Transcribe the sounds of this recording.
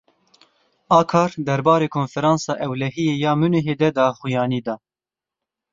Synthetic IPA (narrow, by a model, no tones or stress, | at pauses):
ɑːkʰɑːɾd̪ɛɾbɑːɾeːkʰoːnfɛɾɑːnsɑːʔɛwlɛɦijeːjɑːmunuɦeːd̪ɛd̪ɑːxujɑːniːd̪ɑː